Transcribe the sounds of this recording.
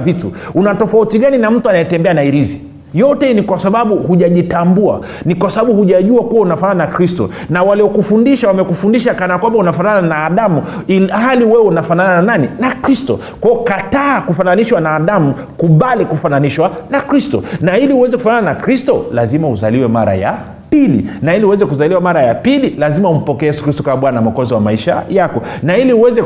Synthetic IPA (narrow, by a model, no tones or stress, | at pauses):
vitṵunatɔfautiɠaninam̩tuanajɛtɛmbɛanaiɾizi | jɔtɛnikwasaɓaɓuhuʄaʄitambua̰ | nikwasaɓaɓuhuʄaʄuakuwaunafanananakɾistɔ̰ | nawaliɔkufundiʃawamɛkufundiʃakanaakwambaunafanananaːɗamuilhaliwɛwɛunafanananananinakɾistɔ̰ | kwaɔkataːkufananiʃwanaːɗamu | kuɓalikufananiʃwanakɾistɔ̰nailiuwɛzɛku̥fanananakɾistɔ̰lazimauzaliwɛmaɾa̰ja̰ | pilḭnailiuwɛzɛkuzaliwamaɾajapililazimaum̩pɔkɛjɛsukɾistɔkaɓwanamakɔzɔwamaiʃa̰jakɔnailiuwɛzɛ